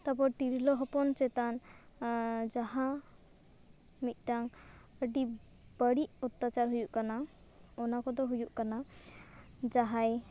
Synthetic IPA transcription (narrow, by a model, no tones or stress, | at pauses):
t̪apɔɾt̪iɾilɔɦɔpɔnt͡ʃɛt̪an | d͡ʒaɦa | mit̪̚ˀʈaŋ | əɖi | bəɽiʔɔt̪ːat͡ʃaɾɦujuʔkana | ɔnakɔd̪ɔɦujuʔkana | d͡ʒaɦaj